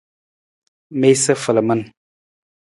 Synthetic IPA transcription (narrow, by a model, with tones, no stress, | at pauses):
me˦jsə˦fə˨lə˨mə˦n